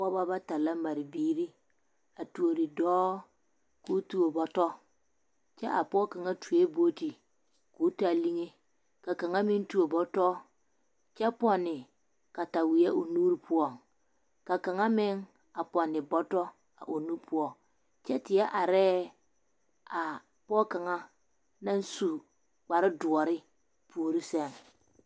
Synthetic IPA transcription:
ɔ˦ba˦ba˦ta˨la˦ma˨ɾi˨biː˦ɾi˦ | a˨tu˨o˨ɾɪ˨dɔː˦ | kuː˦tu˨o˨bɔ˦tɔ˦ | t͡ʃɛ˦ʔa˨pɔ˦ka˨ŋa˦tʰu˨e˦bo˦ti˨ | ku˨˦ta˨li˦ŋe˦ | ka˨ka˨ŋa˦mɪ˦ntu˦o˨bɔ˦tɔ˦ | t͡ʃɛ˦pɔ˨nːɪ˨ | ka˨ta˨wi˨jɛ˦o˨nuː˦ɾi˦pʰʊ˦ɔ˦˨ŋ | ka˨ka˨ŋa˦mɪ˦ŋ | a˨pɔ˨nːɪ˨bɔ˦tɔ˦ | a̰˨ʔo˨nu˦pʰʊ˦ɔ˦˨ | t͡ʃɛ˦tɪ˨ɛ˦ʔa˨ɾɛː˦ | a˨ | pɔ˦ka˨ŋa˦ | na˦n˦su˨ | k͡pa˨ɾɪ˦dʊ˨ɔ˨ɾɪ˦ | pu˨o˨ɾi˦sɛ˦˨ŋ

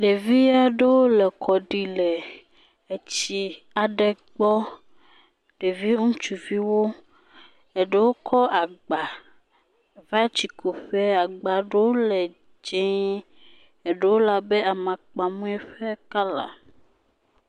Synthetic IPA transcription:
ɖe˨vi˦a˦ɖe˦wo˦le˨kʰɔ˨ɖi˨lɛ˨ | e˨t͡ɕi˨ | a˨ɖe˨ | ɡ͡bɔ˦ | ɖ̥e˨vi˦ŋũ˦t͡ʃu˨vi˦wo˦ | e˨ɖe˦wo˦kʰɔ˦ʔa˨ɡ͡ba˨ | va˦t͡ʃi˨kʰo˨ɸe˦a˨ɡ͡ba˨ɖe˦wo˦lɛ˨ | d͡ʒẽ˦ | e˨ɖe˦wo˦la˨be˦a˨mã˨k͡pa˨mũ˦ɛ˦ɸɛ˦ka˦la̰˨

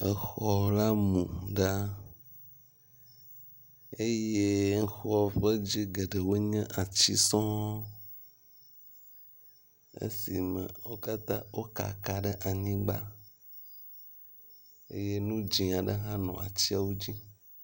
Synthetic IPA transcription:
ə˨xɔ˨la˦mũ˨ɖa˦ | e˦je˦ŋ̩˦xɔ˦ɸə˦d͡ʑi˦ɡe˨ɖə˨wo˦ɲɛ̃˦ʔa˨t͡ɕi˦sɔ̃˦ | ḛ˦si˨mə̰̃˨wo˦ka˦t̪ã˦wo˦ka̰˨ka˨ɖə˦ʔa˨ɲĩ˦ɡ͡ba̰˦ | ḛ˦je˦nũ˦d͡ʒĩ˨a˨ɖə˦ɦã˦nɔ̰̃˨a̰˨t͡ɕi˦a˨wo˦d͡ʑi˦

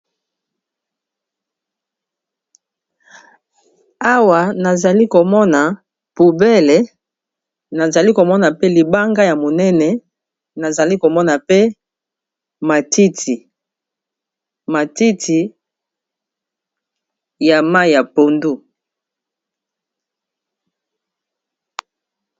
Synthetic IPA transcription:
a˦wa˨na˨za˨li˦ko˨mɔ˦na˨ | pu˨bɛ˦lɛ˨ | na˨za˨li˦ko˨mɔ˦na˨pe˦li˨ba˦ŋɡa˦ja˨mo˨nɛ˦nɛ˨ | na˨za˨li˦ko˨mɔ˦na˨pe˦ | ma˨tʰi˦tʰi˨ | ma˨ti˦tʰi˨ | ja˨ma˦jja˨po˨ndu˦

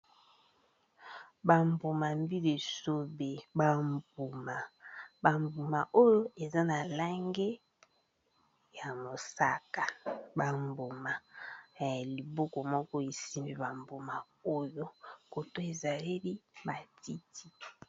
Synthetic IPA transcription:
ba˨mbo˨ma˨mbi˦le˨so˦be˨ba˨mbu˨ma˨ba˨mbu˨ma˨ʔo˦jo˦e˨za˦na˨la˦ŋɡe˦ | ja˨mo˨sa˦ka˨ba˨mbo˨ma˨ | a˨li˨bo˦kɔ˨mɔ˦kɔ˦e˨si˦mbe˦ba˨mbo˨ma˨ | o˦jo˦ko˨to˦e˨za˨li˦bi˦ba˨ti˦ti˦

